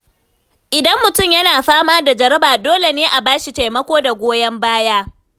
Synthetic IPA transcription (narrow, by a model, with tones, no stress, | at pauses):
ʔɪ˨dɐ˦mːʊ˨tʊ˦˨mjɐ˦naː˨ɸaː˦maː˦da˨d͡ʒɐ˨ɾɐ˦baː˨doː˦le˨neː˦ʔa˨baː˦ʃi˨ta˨jmɐ˦kʷoː˦da˨ɡʷoː˦jɐ˦mbaː˦jaː˦